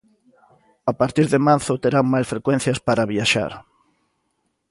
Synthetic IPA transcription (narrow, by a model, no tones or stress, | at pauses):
apaɾt̪iɾðemaɾθʊt̪eɾaŋmajsfɾekwẽn̟θjaspaɾaβiaʃa̰ɾ